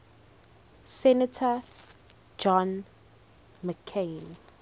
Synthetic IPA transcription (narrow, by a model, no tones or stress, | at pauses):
sɛnatʰa | d͡ʒɔ̃n | məkʰen